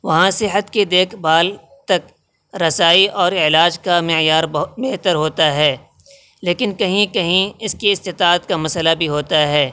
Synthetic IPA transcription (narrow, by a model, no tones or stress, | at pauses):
ʋɐɦãsɪɦət̪ked̪eːkʰbaːl | t̪ɐk̚ | ɾɐsaːiʔɔːɾɪlaːd͡ʒkamɪjaːɾbɐbeɦt̪əɾɦoːt̪aɦɛː | leːkɪnkɐɦĩkɐɦĩɪskiɪst̪ɪt̪aːət̪kamɐsəlabʱiɦoːt̪aɦɛː